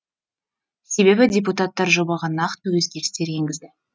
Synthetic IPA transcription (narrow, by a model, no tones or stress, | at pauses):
se̞be̞bɪdʲep̬ut̪at̪ːɑɾʒo̞bɑʁɑnɑqt̪əwɵzɡʲe̞ɾɪst̪e̞ɾje̞ŋɡʲɪzd̪ɪ